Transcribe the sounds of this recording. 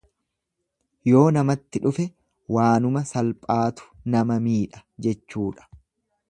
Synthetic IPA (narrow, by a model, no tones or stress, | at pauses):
jo̞ːnɐmɐt̪ːɪᶑʊfɛ | waːnʊmɐsɐlpʼaːt̪ʊ̥nɐmɐmiːᶑɐ̥d͡ʒɛt͡ʃːuːᶑɐ̥